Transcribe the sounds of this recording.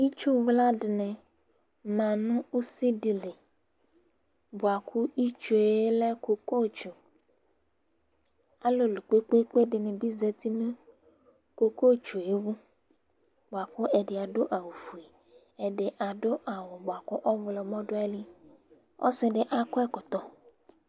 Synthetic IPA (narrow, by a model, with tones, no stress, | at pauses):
i˦t͡ʃu˦vla˦dnɛ̃˨ | mã˨nʊ̃˦u˦si˦di˨le˨ | bʊ˨a˨kʰu˦i˦t͡ʃu˨e˦lɛ˦ko˨ko˦˨t͡ʃu˨ | a˦lo˦lu˨k͡pe˦k͡pe˦k͡pe˦dɪ˨nɪ̃˨bi˦ze˨t̪i˦nũ˦ | ko˦ko˦t͡ʃu˨e˦wu˦ | bo˨a˨ku˦ɛ˨ɖɪ˨a˨ɖo˦ʔa˨wu˨fu˨e˨ | ɛ˨ɖɪ˨ʔa˨ɖo˦ʔa˨wɔ˨bʊ˨a˨kɔ˦ʔɔ˦vlɔ˨mɔ̃˦ɖo˦ɛ˦li˦ | ɔ̰˦sɪ˦ɖɪ˨ʔa˦kɔ˦ɛ˦kɔ˨t̪ɔ˦